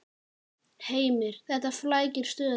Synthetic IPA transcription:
heːjmɪɾ̥θɛht̪aflaːjcɪɾ̥st̪œːð

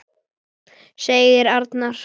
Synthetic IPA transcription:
seːjɣɪɾaɾt̪naɾ̥

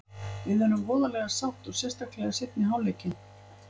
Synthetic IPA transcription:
vɪðɛɾʏmvɔːðalɛɣasawht̪ɔ̥sjɛ̥st̪aklɛɣasɪt̪̚nɪɦawleːjcɪn

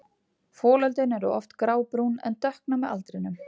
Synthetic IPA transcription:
fɔːlœlt̪ɪnɛɾʏ̰ʔɔ̰ft̪kɾaːwpɾunɛ̰nt̪œhknamɛa̰lt̪ɾɪnʏm

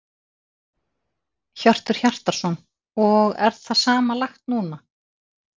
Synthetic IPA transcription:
çœr̥t̪ʏɾ̥çar̥t̪aɾ̥sɔn | ɔɣɛ̰ɾθasaːmalaxt̪nuːna

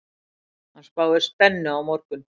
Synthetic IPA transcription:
anspaːwðɪst̪ɛnːɪawmɔɾkʏn

